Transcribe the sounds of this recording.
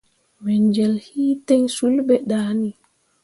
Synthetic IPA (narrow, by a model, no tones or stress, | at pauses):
mɛɲd͡ʒɛlhiːtɛɲsulbɛɗaːni